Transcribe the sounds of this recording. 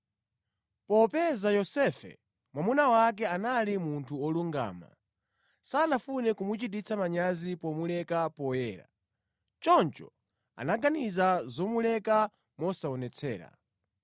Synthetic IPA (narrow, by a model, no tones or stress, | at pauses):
pɔpɛzajɔsɛfɛ̰ | mwamunawak̬ɛanalimuntʰuɔluŋɡa̰ːma̰ | sanafunɛkumut͡ʃit̬it͡sʰamaɲazipɔmulɛkapɔjɛːɾa̰ | t͡ʃɔnt͡ʃɔ̰ | a̰naɡanizazɔmulɛka | mɔsaɔnɛt͡sʰɛ̰ːɾa̰